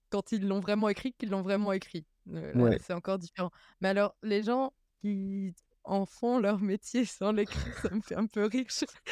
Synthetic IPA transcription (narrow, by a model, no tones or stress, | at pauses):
kɑ̃t̪ilːɔ̃vʁɛmɑ̃ekχikilːɔ̃vʁɛmɑ̃ekχi | ø̰lwaɛ̰sɛɑ̃kɔʁd̪ifeʁɑ̃ | mɛalɔʁleʒɑ̃ | kʲi | ɑ̃fɔ̃lœʁmet̪jesɑ̃lekχisaməfɛɛ̃pøʁiʃ